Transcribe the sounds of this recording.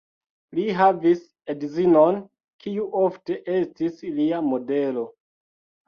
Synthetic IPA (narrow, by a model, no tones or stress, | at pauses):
liɦavis | edzinon | kʰiuʔofte̞ʔe̞stisliamo̞de̞lo̞